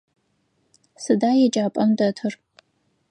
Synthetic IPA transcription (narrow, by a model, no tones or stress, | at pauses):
sɨdaːjɛd͡ʒʼaːpʼɐmdɐtʰɨr